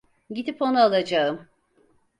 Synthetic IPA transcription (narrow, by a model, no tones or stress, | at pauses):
ɟid̪ipo̞nualˠad͡ʒaɯm